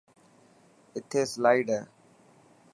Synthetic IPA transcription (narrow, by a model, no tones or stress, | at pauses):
ɪt̪ʰeːslaɪɖə